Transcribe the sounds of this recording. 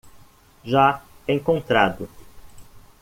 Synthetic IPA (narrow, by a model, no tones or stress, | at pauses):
ʒaẽŋkõnt̪ɾad̪ʊ